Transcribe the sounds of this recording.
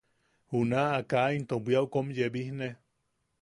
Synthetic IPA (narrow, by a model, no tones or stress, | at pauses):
hunaːkaʔint̪obʷiauwkomjebihne